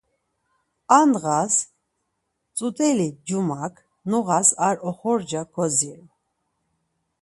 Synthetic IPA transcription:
anɣas | t͡sʼut̪ʼɛlid͡ʒumakʰ | nuʁasaɾɔχɔɾd͡ʒakʰɔziɾ

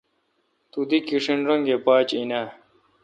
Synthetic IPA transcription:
t̪ud̪ikiʂinɾɐŋɡepaːt͡ɕina

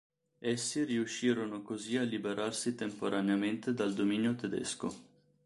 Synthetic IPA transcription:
esːiriuʃːiːɾonokozialːibeɾʔarsit̪empoɾʔaneament̪ed̪ald̪omiːnjot̪ed̪ɛ̰sko̰

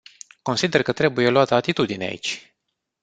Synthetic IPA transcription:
ko̞nsid̪e̞rkət̪ɾe̞buje̞loat̪əat̪it̪ud̪inea̰ḭt͡ʃʲ

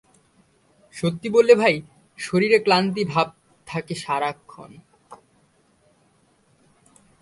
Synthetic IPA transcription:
ʃot̪ːibolːebʱaj | ʃoɾiɾeklant̪̬ibʱab̚ | t̪ʰakeʃaɾakʰːo̰n

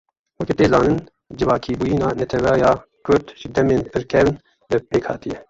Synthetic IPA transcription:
wɛkit̪eːzɑːnɨn | d͡ʒɨvɑːkʰiːbujiːnɑːnɛt̪ʰɛwɛːjɑː | kʰʊɾt̪ʒɨd̪ɛmeːnpʰɨɾkʰɛvn | bɨpeːkhɑ̰ːt̪ijɛ

